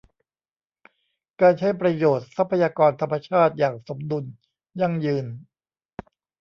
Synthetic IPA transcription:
kaː˧nt͡ɕʰa˥˩jpɾa˧joː˨˩t̪̚sa˦˥pʰːa˧jaː˧kɔː˧nt̪ʰa˧mːa˧t͡ɕʰaː˥˩t̪̚jaː˨˩ŋso˩˦mdu˧n | ja˥˩ŋjɯː˧n

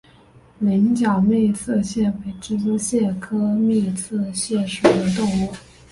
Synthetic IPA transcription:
li˧˥nt͡ɕjɑ˨˩ne˥˧ɪt͡sʰɤ˥˧ɕjɛ˥˩pe˨˩ɪʈ͡ʂɻ̩˥˩t͡su˥ɕjɛ˥˩kʰɤ˥mi˥˧t͡sʰɤ˥˧ɕjɛ˥˩ʂu˨˩d̪ə˦t̪ʊ˥˧ŋu˥˩

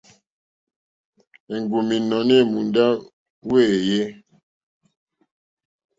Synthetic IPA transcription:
e˨ŋɡu˨mi˨nɔ˨ne˦˨mu˨nda˦ | we˦˨je˦

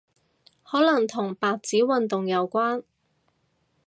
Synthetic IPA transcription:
hɔː˨˥lɐ˨˩ŋt̪ʰʊ˨˩ŋpaː˨˧k̚t͡siː˨˥wɐ˨nt̪ʊ˨ŋjɐ˨˧wkʷaː˥n

